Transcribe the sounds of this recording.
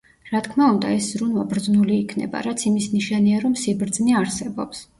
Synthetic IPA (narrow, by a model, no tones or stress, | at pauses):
ɾat̪kʰmaund̪a̰ɛszɾunvabɾd̪znuliːkʰnɛ̰ba̰ɾat̪sʰimisniʃaniaɾɔmsibɾd̪zniaɾsɛbɔ̰ps